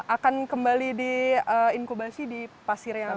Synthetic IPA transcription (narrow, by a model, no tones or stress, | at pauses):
ʔakankəmbalidiəinkubasidipasɪrja